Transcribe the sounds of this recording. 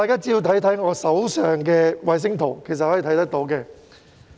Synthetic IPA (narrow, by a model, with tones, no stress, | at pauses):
t̪aː˨jkaː˥t͡siː˥jiː˧wt̪ʰɐ˨˥jt̪ʰɐ˨˥jŋɔː˨˧sɐ˨˥wsœː˨ŋkɛː˧wɐ˨˧js̬ɪ˥ŋt̪ʰo˨˩wkʰe˨˩js̬ɐt̚hɔː˨˥ji˨˧t̪ʰɐ˨˥jt̪ɐ˥k̚t̪o˨˥wkɛː˧